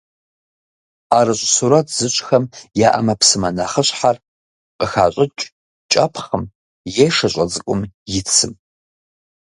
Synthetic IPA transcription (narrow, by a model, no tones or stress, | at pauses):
aːɾɨɕʼsuɾɐtʰz̥ɨɕʼxɐmjaːʔɐ̰mɐpsɨmɐnɐχəɕʼħar | qəxa̰ːɕʼɪt͡ʃʼ | t͡ʃʼɐpʰχəm | jeʂɐɕʼɐt͡sʼɨkʷʼʊmjɪt͡sʰɨm